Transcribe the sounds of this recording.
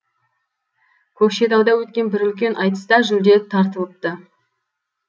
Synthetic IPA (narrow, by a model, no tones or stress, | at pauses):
kʲʰɵkʃe̞t̪ɑwd̪ɑwɵt̪̚kʲe̞nbɪɾʏlkʲe̞nʔɑjt̪ə̥st̪ɑʒʏld̪e̞t̪ʰɑɾt̪əlˠəp̚t̪ə